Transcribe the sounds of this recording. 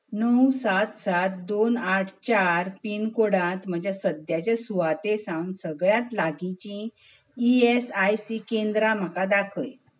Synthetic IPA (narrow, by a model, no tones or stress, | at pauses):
nəwsat̪sat̪̚d̪onaʈʰt͡ɕaɾpinkoɽãt̪m̤əd͡ʑʱjasəd̪jat͡ɕjasuʋat̪esãwnsəɡɭjat̪laɡit͡ɕĩ | iesajsikẽnd̪ɾam̤əkad̪akʰəj